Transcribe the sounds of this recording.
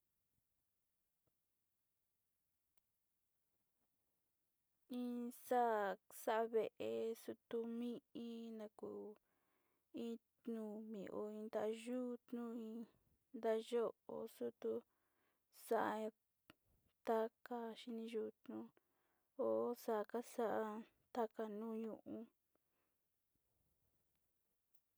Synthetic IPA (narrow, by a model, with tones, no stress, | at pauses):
ĩ˦sa˦˨sa˦ʔβe˧ʔe˧su˧t̪u˧mĩ˦ĩ˦nã˧ku˨ | ĩ˦t̪nũ˧mḭ̃˨ʔo˧ĩ˧nd̪a˦˧ʒu˦˧t̪nũ˦ĩ˧ | nd̪a˦˧ʒo˦o̰˨su˦t̪u˧ | sa˦ʔa˧ | t̪a˦ka˧ʃi˧nĩ˧ʒu˦˧t̪nũ˦ | o˨˦sa˧˨ka˦sa˦ʔa˧ | t̪a˦ka˧nũ˦ɲũ˧˨ʔũ˧